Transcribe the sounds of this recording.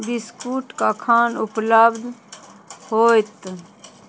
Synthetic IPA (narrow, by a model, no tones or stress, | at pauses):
bɪskuːʈkakʰaːnʊpləbd̪ | hoːt̪